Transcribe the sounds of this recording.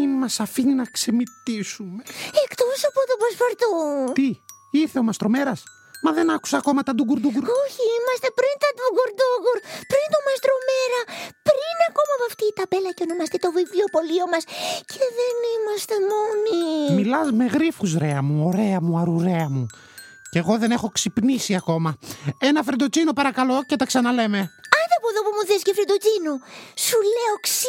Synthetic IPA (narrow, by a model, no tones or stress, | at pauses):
imɐsɐfininɐksemit̪isumeekt̪o̞sɐpot̪opɾosfoɾt̪ut̪i | iɾθe̞omɐst̪ɾo̞me̞ɾɐs | mɐðe̞nɐku̥sɐːko̞mɐt̪ɐd̪uɡuɾd̪uɡuɾoçiimɐst̪epɾint̪ɐd̪uɡoɾd̪uɣuɾpɾint̪omɐst̪ɾo̞meɾɐpɾinɐko̞mɐpoɐft̪iːt̪ɐbe̞lɐceonomɐst̪it̪o̞vivliopo̞lio̞mɐscʰeðe̞nimɐst̪e̞monimmilɐzme̞ɣɾifuzɾeɐmuo̞ɾe̞ɐmuɐɾuɾe̞ɐmu | ce̞ɣo̞ðe̞ne̞xo̞ksipnisiɐko̞mɐe̞nɐfɾend̪ot͡sinopɐɾɐkɐlo̞ce̞t̪ɐksɐnɐle̞me̞ɐjðepoðopumuðescefɾed̪ot͡sinosule̞oksi